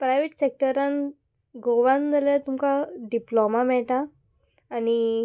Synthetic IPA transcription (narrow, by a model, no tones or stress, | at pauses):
pɾajʋeʈsek̚ʈəɾãn | ɡoʋãnd͡zalat̪umkaɖiplomamɛɭʈaː | ni